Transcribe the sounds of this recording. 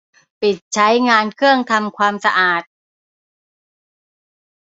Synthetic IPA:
pi˨˩t̪̚t͡ɕʰa˦˥jŋaː˧nkʰɯ˥˩əŋt̪ʰa˧mkʰwaː˧msa˧ʔaː˨˩t̪̚

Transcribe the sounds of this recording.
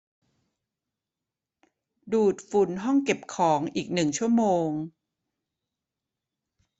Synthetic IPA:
duː˨˩t̪̚fu˨˩˦nɦɔ˥˩ŋke˨˩p̚kʰɔː˩˦ŋʔiː˨˩k̚nɯ˨˩ŋt͡ɕʰu˥˩ɐəmoː˧ŋ

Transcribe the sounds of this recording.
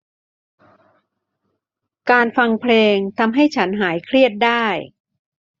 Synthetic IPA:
kaː˧nfa˧ŋpʰleː˧ŋt̪ʰa˧mɦa˥˩jt͡ɕʰa˦˥nɦaː˩˦jkʰɾi˥˩ət̪̚daː˥˩j

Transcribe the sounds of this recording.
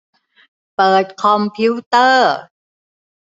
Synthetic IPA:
pɤː˨˩t̪̚kʰɔ˧mpʰi˦˥wt̪ɤː˥˩

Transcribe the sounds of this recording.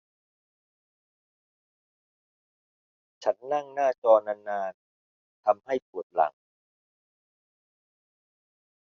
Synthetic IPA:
t͡ɕʰa˦˥nːa˥˩ŋnaː˥˩t͡ɕɔː˧na˧˩naː˧n | t̪ʰa˧mha˥˩jpu˨˩ət̪̚la̰˩˦ŋ

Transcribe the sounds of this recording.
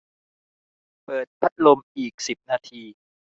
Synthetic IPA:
pɤː˨˩t̪̚pʰa˦˥t̪̚lo˧mʔiː˨˩k̚si˨˩p̚naː˧t̪ʰiː˧

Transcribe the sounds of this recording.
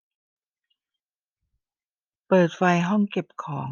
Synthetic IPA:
pɤː˨˩t̪̚fa˧jɦɔ˥˩ŋke˨˩p̚kʰɔː˩˦ŋ

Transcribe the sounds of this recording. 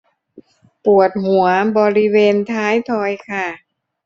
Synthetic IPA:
pu˨˩ət̪̚ɦu˨˩˦ɐbɔː˧ɾi˦˥weː˧nt̪ʰaː˦˥jt̪ʰɔː˧jkʰa˧˥˩

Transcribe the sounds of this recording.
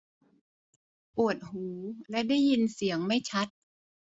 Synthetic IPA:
pu˨˩ət̪̚huː˩˦lɛ˦˥ʔda˥˩jːi˧nsi˩˦əŋma˥˩jt͡ɕʰa˦˥t̪̚

